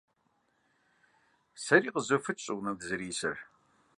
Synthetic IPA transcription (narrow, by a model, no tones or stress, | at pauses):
sɐɾiːqəzofɨt͡ʃʼɨwnɐɡzɨɾiːsɐr